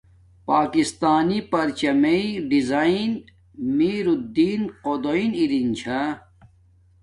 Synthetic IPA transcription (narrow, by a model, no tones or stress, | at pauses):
paːkist̪aːnipɐɾt͡ɕɐmeiɖizaːin | miːɾud̪ːiːnqod̪oiniɾint͡ɕʰa